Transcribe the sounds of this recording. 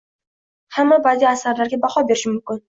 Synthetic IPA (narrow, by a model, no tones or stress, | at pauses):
hamːabad̪iasaɾlaɾɡʲabahɒbeɾɪʃɪmʊmkʲɪn